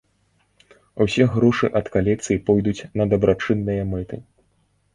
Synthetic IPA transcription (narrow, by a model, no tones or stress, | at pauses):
usʲɛɣɾɔʂɨʔɐt̪kalʲɛk̚t̪sɨjipɔjd̪ut͡sʲnɐd̪ɐbɾat͡ʂɨnːɨjɐmɛt̪ɨ̰